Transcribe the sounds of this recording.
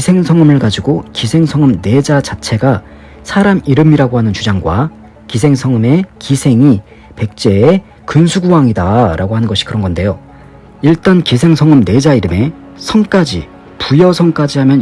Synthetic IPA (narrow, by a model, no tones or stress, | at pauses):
isʰe̞ŋsʰʌŋɯmɯɭkad͡ʑiɡokisʰe̞ŋsʰʌŋɯmne̞d͡ʑad͡ʑat͡ɕʰe̞ɡa | sʰaɾamiɾɯmiɾaɡoɦanɯnt͡ɕud͡ʑaŋɡwa | kisʰe̞ŋsʰʌŋɯme̞kisʰe̞ŋi | pe̞k̚t͡ɕ͈e̞ː | kɯnsʰuɡuwaŋidaɾaɡoɦanɯnɡʌɕʰi̥kɯɾʌnɡʌnde̞jo | iɭt͈ankis̬ʰe̞ŋsʰʌŋɯmne̞d͡ʑaiɾɯme̞ | sʰʌŋk͈ad͡ʑi | pujʌsʰʌŋk͈ad͡ʑiɦamjʌn